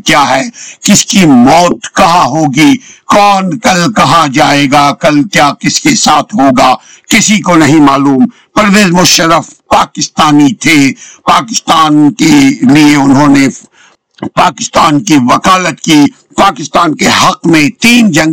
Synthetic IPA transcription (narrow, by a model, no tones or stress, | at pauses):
kjaːɦɛːkɪskimɔːt̪kɐɦaɦoːɡikɔːnkɐlkɐɦad͡ʒaːeːɡaːkɐlkjaːkɪskesaːt̪ʰɦoːɡaː | kɪsikonɐɦĩmaːluːm | pɐɾʋeːzmʊʃəɾəfpaːkɪst̪aːnit̪ʰeːpaːkɪst̪aːnkelieʊnɦõːne | paːkɪst̪aːnkiʋɐkaːlət̪kiː | paːkɪst̪aːnkehɐqmẽt̪iːnd͡ʒɐ̃ŋ